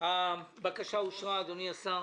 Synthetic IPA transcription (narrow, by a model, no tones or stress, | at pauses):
abakaʃauʃʁaːd̪oniasa